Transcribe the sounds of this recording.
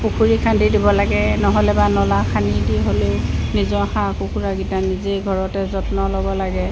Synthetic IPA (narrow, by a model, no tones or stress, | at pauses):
pukʰuɹikʰandidibɔlaɡɛnɔɦɔlɛbanɔlakʰanidiɦolenizɔhãkukʰuɹaɡitanizeɡʱɔɹɔtɛzɔtnɔlɔbɔlaɡɛ